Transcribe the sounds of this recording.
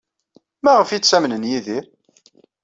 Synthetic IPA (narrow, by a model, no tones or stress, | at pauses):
mæʁəfit͡sːsæmnənjiði